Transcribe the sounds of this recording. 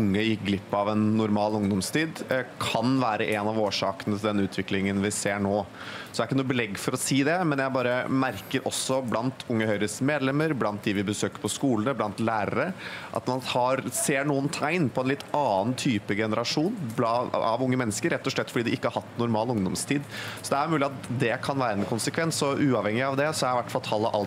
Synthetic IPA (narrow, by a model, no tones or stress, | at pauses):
ʊŋːəjɪkɡlɪpːɑʋɛnːʊɾmɑːlʊŋd̪ɔmst̪ʰiːd̪kʰɑnʋæːɾəʔɛnɑʋoːʂɑːkənət̪ʰɪld̪ɛnʉːt̪ʰʋɪklɪŋənʋɪseːɳoː | sɔd̪æɾɪkːənuːbɛlɛɡːfɔɾɔsiːd̪ɛmɛnjæɪbɑːɾəmæɾkəɾʔɔsːɔblɑnt̪ʰʊŋːəhœʏɾəsmeːd̪lɛmːəɾblɑnt̪̚d̪ɪʋɪbəsøːkəɾpʰɔskuːlənəblɑnt̪læːɾə̰ɾəʔɑ̰t̪mɑnhɑɾseːɳuːənt̪ʰæɪnpʰɔɛnlɪt̪ːɑːnt̪ʰyːpəɡɛnəɾɑʂuːnblɑɑ̰ʋʊŋːəmɛnːəskəɾɛt̪ːɔʂɭɛt̪ːfɔɖiːd̪ɪɪkːəhɑɾhɑt̪ːnʊɾmɑːlʊŋd̪ɔmst̪ʰiːd̪sɔd̪ɛæɾmʉːlɪɑt̪d̪ɛkʰɑnʋæːɾəɛnkʰʊnsəkʰʋɛnsɔʔʉːɑʋhɛŋːɪɑʋd̪ɛsɔæɾɪʋæʈfɑlt̪ʰɑlːəʔɑ̰l